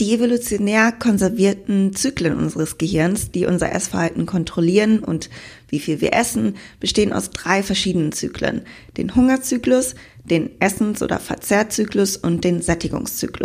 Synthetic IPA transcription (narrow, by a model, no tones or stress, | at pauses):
d̥ievolut͡sjonɛːɐkʰɔnzɛɐviːɐtn̩t͡syːklənʔʊ̰nzəʁəsɡ̥əhɪɐnsd̥iːʔʊ̰nzɐ̰ʔɛsfɛɐhaltn̩kʰɔntʁ̥oliːʁənʊ̰ntv̥iːfiːlviːɐʔɛsn̩b̥əʃteːənʔa̰ʊsd̥ʁaɪfɛɐʃiːdənənt͡sy̰ːklə̰n | d̥ḛːnhʊŋɐt͡syːklʊs | d̥eːnʔɛsn̩sʔo̰ːdɐ̰fɛɐt͡sɛːɐt͡syːklʊsʔʊnt̚d̥eːnzɛtɪɡʊ̰ŋst͡sy̰ːklʊs